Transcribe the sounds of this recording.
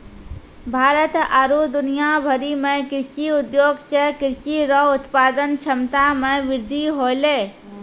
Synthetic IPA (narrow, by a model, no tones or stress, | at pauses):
bʱaːɾət̪aɾud̪ʊnijabʱəɾimẽkɪɾʃiʊd̪joːɡsəɦkɪɾʃiɾɔʊt̪paːd̪ənt͡ʃʰəmt̪amẽʋɪɾd̪ʱiɦoːleː